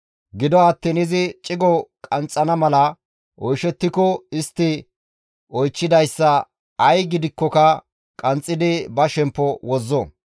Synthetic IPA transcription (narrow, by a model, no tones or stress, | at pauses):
ɡɪd̪ɔɐt̪ːiːnɪzɪt͡ʃʼɪɡɔkʼɐnt͡sʼːɐnɐmɐlɐ | ʔɔjʃɛt̪ːɪkɔɪst̪ːɪ | ɔjt͡ʃːɪd̪ɐjsːɐ | ɐjɡɪd̪ɪkːɔkɐ | kʼɐnt͡sʼːɪd̪ɪbɐʃɛmpːɔwɔzːɔ